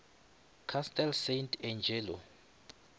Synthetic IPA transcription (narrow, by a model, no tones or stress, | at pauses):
kʰastʰʼɛlsejntʰɛnd͡ʒʱɛːlɔ